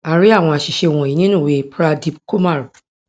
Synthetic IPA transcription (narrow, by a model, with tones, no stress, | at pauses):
a˨ɾɪ˦a˦˨w̃ɔ̃˨a˨ɕɪ˨ɕɛ˨wɔ̃˨i˨ɲĩ˦nʊ̃˦˨we˨pʰɾa˦di˦b̚kʰo˦ma˦˨ɾ